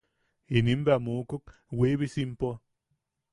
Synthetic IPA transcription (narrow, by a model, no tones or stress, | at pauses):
inimbamukuk̚ | webisimpo